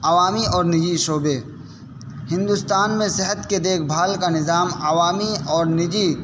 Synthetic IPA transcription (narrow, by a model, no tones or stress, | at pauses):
aʋaːmiɔːɾnɪd͡ʒiʃoːbe | hɪ̃nd̪ʊst̪aːnmẽsɪɦət̪ked̪eːkʰbʱaːlkanɪzaːmaʋaːmiɔːɾnɪd͡ʒi